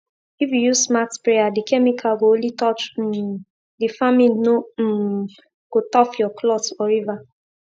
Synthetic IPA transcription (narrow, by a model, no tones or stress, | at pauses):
ifjujusmatpɾejadikʰɛmikʰaɡoolitɔt͡ʃ̩ | difamilno | ɡ̥otɔfjɔkʰlɔtɔɾiva